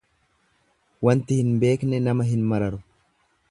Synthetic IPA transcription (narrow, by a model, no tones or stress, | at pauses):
wɐnt̪ɪhɪnbe̞ːknɛnɐmɐɦɪnmɐɾɐɾʊ